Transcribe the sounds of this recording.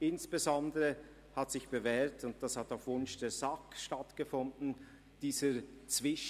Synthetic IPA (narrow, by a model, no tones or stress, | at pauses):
ʔɪnsb̥əzɔndəʁə | hatsɪçb̥əvɛːɐtʊnt̚d̥ashataʊfvʊnʃd̥eːzakʃtatɡ̥əfʊndn̩ | d̥iːzət͡sv̥ɪʃ